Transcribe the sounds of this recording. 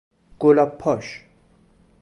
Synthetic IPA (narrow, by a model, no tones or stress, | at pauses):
ɡ̥olapʰːɔʃ